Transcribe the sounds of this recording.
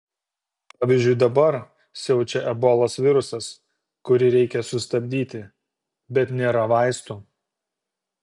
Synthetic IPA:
pɑːʋʲiˑzʲd͡ʒʲʊɪd̪ɐbɐɾ | sʲɛʊt͡ʃʲɛʔɛboːlˠoːsʋʲɪɾʊsɐs | kʊɾʲɪɾʲɛɪkʲɛsʊst̪ɐbʲd̪ʲiːt̪ʲɪ | bʲɛt̪nʲeːɾɐʋɐɪst̪uː

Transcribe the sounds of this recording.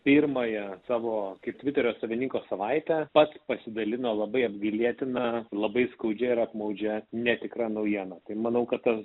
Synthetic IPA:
pʲiɾmɐjɛsɑːʋoːkɐɪp̚t̪ʲʋʲɪt̪ʲɛɾʲoːsɐʋʲɪnʲiːŋkoːsɐʋɐɪt̪ʲɛpɐt̪spɐsʲɪd̪ɐlʲɪnoːlˠɐbɐɪɐbʲɡʲɪlʲiɛt̪ʲɪnɐlˠɐbɐɪskɐʊd͡ʒʲɛɪɾɐpmɐʊd͡ʒʲɛnʲɛt̪ʲɪkɾɑːnɐʊjiɛnɐt̪ɐɪmɐnɐʊkɐt̪t̪ɐs

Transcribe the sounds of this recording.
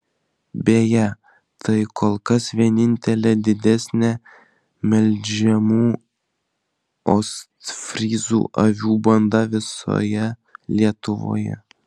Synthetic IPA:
bʲeːjɛ | t̪ʰɐɪkoːlˠkɐsʋʲiɛnʲɪnʲt̪ʲɛlʲɛd̪ʲɪd̪ʲɛsʲnʲɛ | mʲɛlʲd͡ʒʲɛmuː | ost̪fʲɾʲiːzṵːʔɐʋʲuːbɐnd̪ɐʋʲɪso̰ːjɛlʲiɛt̪ʊʋo̰ːjɛ̰

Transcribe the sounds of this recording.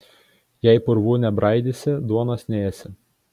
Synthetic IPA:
jɛɪpʊɾʋuːnʲɛbɾɐɪd̪ʲɪsʲɪd̪uɔnɐsnʲeːjɛsʲɪ

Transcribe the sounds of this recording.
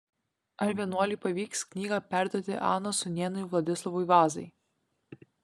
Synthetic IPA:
ɐɾʲʋʲiɛnuɔlʲiːˑpɐʋʲiːksknʲiːɡɑːpʲæˑɾd̪uɔt̪ʲɪ̰ʔɑ̰ːnosʊnʲeːnʊjʋlˠɐd̪ʲɪslˠɐʋʊɪʋɑːzɐɪ

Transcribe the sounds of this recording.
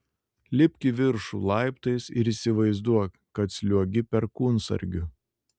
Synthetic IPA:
lʲɪpʲkʲɪʋʲɪɾʃṵːlˠɑɪpt̪ɐɪsɪɾiːsʲɪʋɐɪzd̪uɔ | kɐt̪sʲlʲuɔɡʲɪpʲɛɾkuːnsɐ̰ɾʲɡʲʊ

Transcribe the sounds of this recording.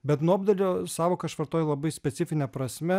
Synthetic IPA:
bʲɛt̪nuɐbd̪ɐlʲosɑːʋoːkɐʃʋɐɾt̪oːjolˠɐbɐɪsʲpʲɛt̪sʲɪfʲɪnʲɛpɾɐsʲmʲɛ

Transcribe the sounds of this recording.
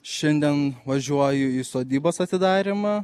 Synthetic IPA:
ʃʲɛnʲd̪ʲɛnʋɐʒʲuɔjʊiːsoːd̪ʲiːboːsɐt̪ʲɪd̪ɑːɾʲɪmɑ

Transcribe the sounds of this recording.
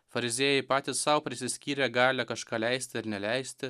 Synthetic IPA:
fɐɾʲɪzʲeːjɛɪpɑːt̪ʲɪssɐʊpʲɾʲɪsʲɪsʲkʲiːɾʲɛɡɑːlʲɛkɐʃkɑːlʲɛɪsʲt̪ʲɪɪɾnʲɛlʲɛɪsʲtt̪ʲɪ

